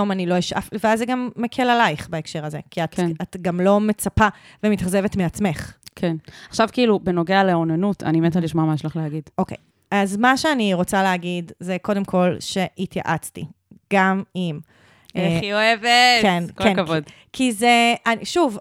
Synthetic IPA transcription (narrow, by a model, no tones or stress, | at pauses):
omanilo̞eʃa̰fveazːeɡamːekʰelalajχbaekʃe̞ʁɐzekiatkatɡamlo̞me̞t͡sapa | vemit̪aχze̞vetmeat͡sme̞χkʰenaχʃavkiːlubeno̞ɡealeonanutʰa̰nimetaliʃmoamaeʃlaχleaɡidʔo̞kḛj | azmaʃeaniʁo̞t͡saleaɡidzeko̞de̞mkʰo̞lʃe̞itja̰ʔat͡stḭ | ɡ̥amim | eioevekenkkenvod | kʰizeaʃuv